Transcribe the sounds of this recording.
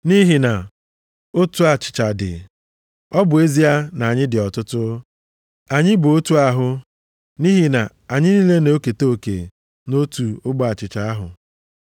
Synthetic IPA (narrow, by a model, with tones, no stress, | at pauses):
ni˦ɦi˨na˨ | o˦tu˦a˨t͡ʃɪ̥˨t͡ʃa˨dɪ̰˨ | ɔ˦bʊ˨e˦zi˦a˦na˨ɲɪ˦dɪ˨ɔ˨tʊ˦tʊ˦ | a˨ɲɪ˦bʊ˨o˦tu˦a˦ɦʊ˦ | ni˦ɦi˨na˨ | a˨ɲɪ˦ni˦le˦no˦ke˨to˦˨kḛ˨ | no˦tu˨ʊ˦ɡ͡ba˨t͡ʃɪ˨t͡ʃa˨a˦ɦʊ̰˨